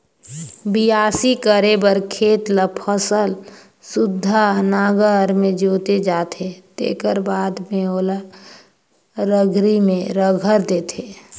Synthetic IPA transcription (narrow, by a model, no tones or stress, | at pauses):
bijaːsikəɾebəɾkʰeːt̪ləpʰəsəl | sʊd̪ʱːanaːɡəɾmẽd͡ʒoːt̪ed͡ʒaːt̪ʰet̪ḛːkəɾbaːd̪meoːlə | ɾəɡʱɾimẽɾəɡʱəɾd̪eːt̪ʰe